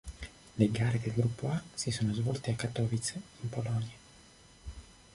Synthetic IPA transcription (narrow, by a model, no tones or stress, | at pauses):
leɡaːɾed̪elɡɾupːoasisoːnozvɔlt̪eakːat̪ːɔːvit̪simpolɔnja